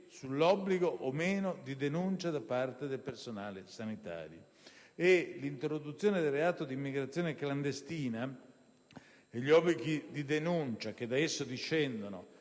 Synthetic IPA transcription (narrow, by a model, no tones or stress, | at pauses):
sulːɔbːliɡoʔomeːnod̪id̪enunt͡ʃad̪apart̪ed̪elpersonaːlesanit̪a̰ːɾjo | elint̪ɾod̪ut̪sːjoːned̪elreaːt̪od̪iːmːiɡɾat̪sːjoːnekland̪est̪iːna | eʎːiɔbːliɡid̪id̪enunt͡ʃak̟ed̪aesːod̪it͡ʃːɛnd̪ono